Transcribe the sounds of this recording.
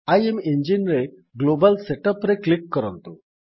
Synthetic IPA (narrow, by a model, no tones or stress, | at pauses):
ajemeɲd͡ʑinɾe | ɡlobalseʈəpɾeklikːəɾɔnt̪u